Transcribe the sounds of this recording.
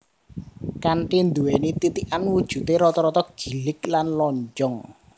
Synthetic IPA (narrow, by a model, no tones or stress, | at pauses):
kanʈind̪uwenit̪it̪iʔanwud̥ʒ̥ṳt̪eɾɔt̪ɔɾɔt̪ɔɡ̥i̤lɪk̚lanlɔɲt͡ʃɔŋ